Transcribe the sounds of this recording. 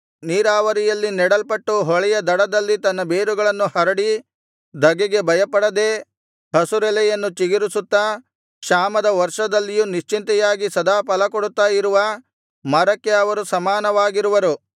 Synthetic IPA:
niːɾaːʋɐɾijɐlːinɛɽɐlpɐʈːuɦɔɭɛjɐd̪ɐɽɐd̪ɐlːit̪ɐnːɐbeːɾuɡɐɭɐnːuhɐɾɐɽi | d̪ʱɐɡɛɡe̞bɐjɐpɐɽɐd̪e̞ː | hɐsuɾɛlɛjɐnːut͡ʃiɡiɾusut̪ːɐ | kʂaːmɐd̪ɐʋɐɾʂɐd̪ɐlːijuniʃt͡ʃint̪ɐjaːɡisɐd̪aːpɐlɐkoɽut̪ːaːjiɾuʋɐ | mɐɾɐkːe̞ɐʋɐɾusɐmaːnɐʋaːɡiɾuʋɐɾu

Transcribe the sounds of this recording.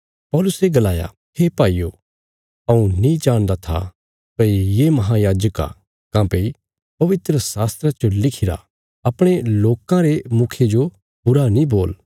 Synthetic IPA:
pɔːlʊseɡɐlaːja̰ | hepaːiːo | ɐũnĩd͡ʒaːɽ̃d̪at̪ʰa̰ | pɐijemɐɦãjaːd͡ʒəka̰ | kãːpei | pɐʋɪt̪ɾəsaːst̪ɾat͡ʃolɪkʰɪɾa̰ | ɐpɽ̃eloːkãɾemʊkʰed͡ʒo | bʊɾanĩboːl

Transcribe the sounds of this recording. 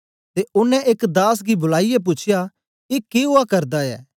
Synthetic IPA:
t̪eʊnːɛ̃ʔeːkd̪aːs̬ɡibʊlaːijɛp̬ʊt͡ʃʰɪja | kekeɦʊakɐɾd̪aɛ̰ː

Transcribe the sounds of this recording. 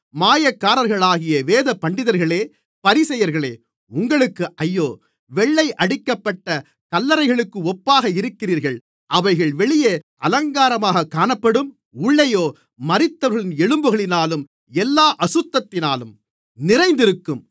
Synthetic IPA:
maːjɐkːaːɾɐɾɣɐɭaːɣɪjɐʋeːðɐpːɐɳɖɪðɐɾɣɐɭeː | pɐɾɪsɐjɐɾɣɐɭeː | ʊŋɡɐɭɯkːɯʔɐjːoː | ʋɛɭːɐɪʔɐɽɪkːɐpːɐʈːɐ | kɐlːɐɾɐɪɣɐɭɯkːɯɔpːaːɣɐɪɾɯkːɪriːɾɣɐɭ | ʔɐʋɐɪɣɐɭʋɛɭɪjɐʔɐlɐŋɡaːɾɐmaːɣɐkːaːnɐpːɐɽɯm | ʊɭːɐjoː | mɐɾɪt̪ːɐʋɐɾɣɐɭɪnɛɻɯmbɯɣɐɭɪnaːlɯm | ɛlːaːʔɐsɯt̪ːɐt̪ːɪnaːlɯm | nɪɾɐɪnd̪ɪɾɯkːɯm

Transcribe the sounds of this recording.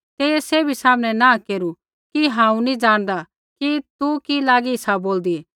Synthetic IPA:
t̪eːjɛseːbʱisaːmɽ̃ɛnãːkeːɾu | kiɦãːũnĩd͡ʒaːɽ̃d̪a | kit̪ukilaːɡiɪsaboːld̪i

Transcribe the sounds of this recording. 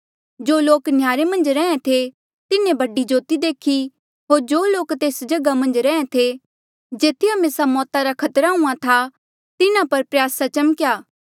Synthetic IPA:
d͡ʒoːloːknjaːɾemɐ̃nd͡ʒɾɛ̃ːẽt̪ʰe | t̪ɪnẽbɐɖid͡ʒoːt̪id̪eːkʰi | ɦoːɾd͡ʒoːloːkt̪eːsd͡ʒɐɡamɐ̃nd͡ʒɾɛ̃ːẽt̪ʰe | d͡ʒeːt̪ʰijamesamɔːt̪aɾakʰɐt̪ɾaɦũãt̪ʰa | t̪ɪnãpɐɾpɾjaːsat͡ʃɐmkjaː

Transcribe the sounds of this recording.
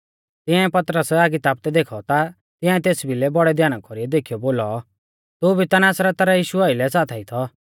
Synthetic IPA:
t̪ɪ̃ãɛpɐt̪ɾəsaɡit̪aːp̚t̪ɛd̪eːkʰɔt̪a | t̪ɪ̃ãɛt̪eːsbʱilɛbɔɽɛd̪ʱjaːnakɔɾiɛd̪eːkʰijɔboːlɔ | t̪ubʱit̪anaːsɾat̪aɾajiːʃuaːɪlɛsaːt̪ʰɛit̪ʰɔ

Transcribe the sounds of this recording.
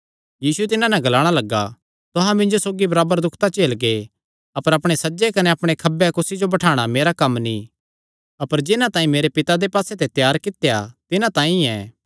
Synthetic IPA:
jiːsuɛt̪ɪnãnɛɡɐlaːɽ̃alɐɡːa | t̪ʊɦãmɪ̃ɲd͡ʒosoːɡibɐɾaːbəɾd̪ʊkʰt̪at͡ʃeːlɡe | ɐpəɾɐpɽ̃esɐːd͡ʒekɐneɐpɽ̃ekʰɐbːɛkʊsid͡ʒobɐʈʰaːɽ̃ameːɾakɐmːnĩ | ɐpəɾd͡ʒɪnãt̪aːĩmeːɾepɪt̪ad̪epaːset̪et̪jaːɾkɪt̪ejat̪ɪnãt̪ãːĩɛː

